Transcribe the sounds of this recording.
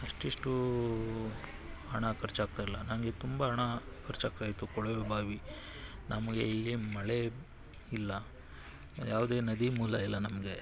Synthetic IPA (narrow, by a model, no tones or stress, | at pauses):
ɐʂʈiʂʈu | ɦɐɳakʰɐɾt͡ʃaːɡ̚t̪ajilːɐnanɡet̪umbɐɦɐɳakʰɐɾt͡ʃaːk̚t̪aːjt̪ukɔɭʋebʱaːʋi | nʔɐmɐɡeilːimɐɭe | ilːɐ | jaːʋd̪e̞ːnɐd̪imuːlɐilːɐnɐmɐɡe̞